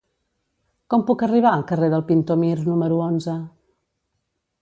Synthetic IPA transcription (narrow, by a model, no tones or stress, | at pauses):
kɔmpukəriβ̞aəlˠkəreðəlˠpint̪omirnuməɾuonzə